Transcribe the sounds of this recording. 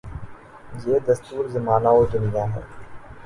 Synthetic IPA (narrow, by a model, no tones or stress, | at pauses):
jeːd̪ɐst̪uːɾzɐmaːnaːoːd̪ʊnɪjaːɦɛ̰ː